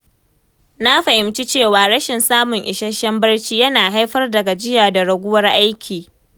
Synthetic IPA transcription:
na˦ɸɐ˨ʔɪ˨mt͡ʃi˦t͡ʃeː˦˨waː˨ɽɐ˦ʃɪ˨nsaː˦mʊ˨ŋʔɪ˨ʃɐ˦ʃɛ˦mbɐ˦rt͡ʃiː˦jɐ˦naː˨ɦa˦jɸɐ˦rdɐ˨ɡa˨d͡ʒɪ˦jaː˨da˨ɽɐ˨ɡʷʊ˦wɐ˦rʔa˦jkʲʰiː˨

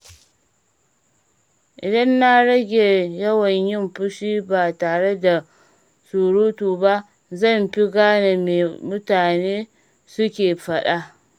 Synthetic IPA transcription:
ʔɪ˨dɐ˦nːa˦ɽɐ˦ɡʲeː˨jɐ˦wɐ˨ɲjɪ˦˨mɸʊ˦ʃiː˦baː˨taː˨ɽe˦da˨ | suː˨ɽuː˦tuː˨ba˦ | zɐ˦˨mɸi˦ɡaː˦ne˨meː˨mʊ˦taː˨neː˦ | sʊ˦kʲeː˨ɸɐ˦ɗa˦ʔ

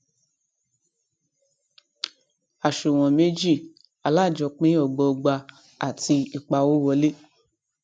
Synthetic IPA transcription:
a˨ʃu˨w̃ɔ̃˨me˦d͡ʒi˦˨ | a˨la˦˨d͡ʒɔ˧˨k͡pĩ˦ɔ˨ɡ͡bɔ˧ɡ͡ba˧ | a̰˨tʰi˧i˨k͡pa˧wo˦wɔ˧˦le˦

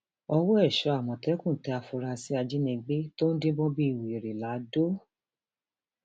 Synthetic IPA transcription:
ɔ˧wɔ˦ɛ˦˨ʃɔ˨˧˦a˨mɔ̃˨tɛ˨˦kũ˦˨tɛ˧˦a˧fu˧ɾa˧si˦a˧d͡ʒi˦nĩ˧ɡ͡be˦to˦n̩˦dĩ˦bɔ̃˦bi˦i˨wi˨e˨ɾe˨la˨˦do˦

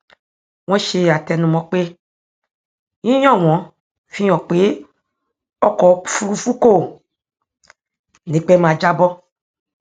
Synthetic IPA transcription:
w̃ɔ̃˧˦ʃe˧˨a˨tɛ˧nũ˧mɔ̃˧˦k͡pe˦ | ĩ˦jɔ̃˦˨w̃ɔ̃˨˦ | fĩ˦ɔ̃˨k͡pe˨˦ | ɔ˦kɔ˨fu˦ɾu˧fu˦ko˦˨ | nĩ˨˦k͡pɛ˦mãː˨˧˨d͡ʒa˦bɔ˦

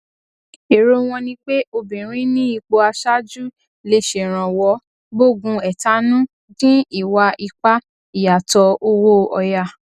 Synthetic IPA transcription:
e˨ɾo˦w̃ɔ̃˧nĩ˧k͡pe˦o˧bĩ˨ɾ̃ĩ˦nĩ˦i˧˨k͡po˧a˧ʃa˦d͡ʒu˦ | le˧ʃe˨ɾ̃ã˨wɔ˧˦ | bo˦˨ɡũ˧ɛ˨ta˨˦nũ˦ | dĩ˦i˦˨wa˧ʔi˧k͡pa˦ | i˨ja˨tɔ˧o˦wo˦ɔ˧ja˧˨

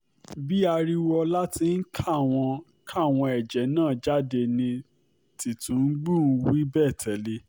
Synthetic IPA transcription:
bi˦a˧ɾi˦wɔ˧la˦ti˧n̩˦kʰa˦˨w̃ɔ̃˧ | kʰa˦˨w̃ɔ̃˧ɛ˨d͡ʒɛ˨˦nãː˦˨d͡ʒa˦de˧nĩ˧ | ti˨tũ˨˦n̩˦ɡ͡bũ˦˨n̩˦˧wi˦bɛː˦˨tʰɛ˨le˧

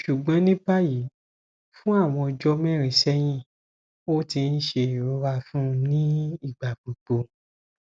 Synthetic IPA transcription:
ʃu˨ɡ͡bɔ̃˨˦nĩ˦pa˦ji˨˦ | fũ˦a˦˨w̃ɔ̃˧d͡ʒɔ˦mɛ˦˨ɾẽ˨sɛ˦j̃ĩ˦ | o˦ti˧n̩˦ʃe˧i˨ɾo˧˦wa˦˧fũ˦˧nĩ˦i˦˨ɡ͡ba˨k͡po˨k͡po˧

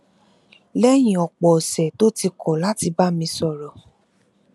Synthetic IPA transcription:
lɛ˦j̃ĩ˨ɔ˨k͡pɔ˨sɛ˨to˦ti˧kʰɔ˨la˦ti˧ba˦mĩ˧sɔ˨ɾɔ˨

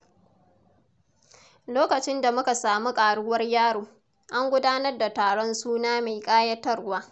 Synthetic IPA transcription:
loː˦kɐ˨t͡ʃɪ˦nda˨mʊ˦ka˨saː˨mu˦kʼaː˨ɽʊ˦wɐ˦rjaː˦ɽoː˨ | ʔa˦ŋɡʷʊ˦daː˦nɐ˦rda˨taː˨ɽɔ˦nsuː˦naː˦me˨jkʼaː˦jɐ˦tːɐ˦rwaː˦

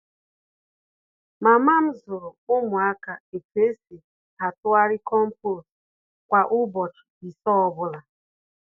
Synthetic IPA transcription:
ma˨ma˦m̩˦zʊ˨ɾʊ˨ʊ˦mʊ˨a˦ka˨e˨te˦se˨ | ha˨tʊ˦a˦ɾɪ˦kɔ˦m̩˦pʊ˦ɾʊ˨ | kʷa˨ʔʊ˦bɔ˨t͡ʃi̥˨i˨sɔ˦ɔ˨bʊ˦la˨

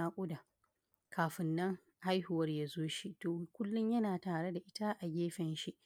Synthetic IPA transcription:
aː˦kʷʼʊ˦da˨ | kʰaː˨ɸɪ˨nːɐ˦ŋ | ha˦jhʊ˨wɐ˦rjaː˦zoː˦ʃi˦toː˨kʷʊ˦lːʊ˦ɲjɐ˦naː˨taː˨ɽe˦da˨ʔɪ˦ta˦ʔa˨ɡʲeː˦ɸɛ˨nʃi˦ʔ

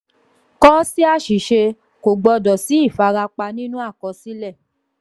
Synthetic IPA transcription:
kɔ˦si˦a˦˨ʃi˨ʃe˧ | ko˨ɡ͡bɔ˧dɔ˨si˨˦i˦˨fa˨˧ɾa˧k͡pa˧nĩ˦nũ˦a˦˨kɔ˨˧si˨˦lɛ˦˨

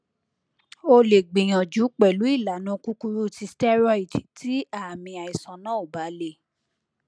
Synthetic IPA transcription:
o˧le˨ɡ͡bĩ˨j̃ã˨d͡ʒu˨˦k͡pɛ˨lu˨˦i˦˨la˨˦˨nã˨˦ku˦ku˦ɾu˦˨ti˧stɛ˦ɾɔ˦i˨ti˨tʰi˨˦a˦˨mĩ˧a˨i˨sã˨˦nã˦o˦˨ba˨˦le˦

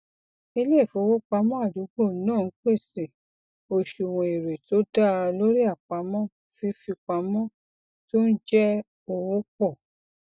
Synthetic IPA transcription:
i˧le˦˨fo˧wo˦k͡pa˧˦mɔ̃˦a˦˨du˨˦ɡ͡bo˦˨˦nãː˦˨˦k͡pe˦˨se˨ | o˧ʃu˨wũ˧˨i˨ɾe˨to˨˦da˦˨lo˦ɾi˦a˦˨k͡pa˨˦mɔ̃˦ | fi˧˦fi˧k͡pa˧mɔ̃˦ | to˦n̩˦d͡ʒɛ˦ | o˧wo˦k͡pɔ˦˨

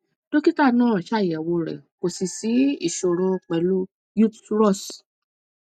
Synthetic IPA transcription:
do˦ki˦ta˦˨nã˦ɾã˨ʃa˦˨jɛ˨wo˧ɾɛ̰˨ko˨si˨si˨˦i˦˨ʃo˨ɾɔ˧k͡pɛ˨lu˦ | ju˦tɾɔ˦˨s

